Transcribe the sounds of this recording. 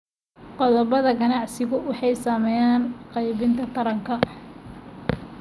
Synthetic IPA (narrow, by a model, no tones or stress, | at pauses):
qɔðɔbɐðɐɡɐnɑʕsɪɣʊwɑħɑjsaːmɛːjaːnqɑjβɪnt̪ʰɐt̪ʰɐɾɐŋkʰɐ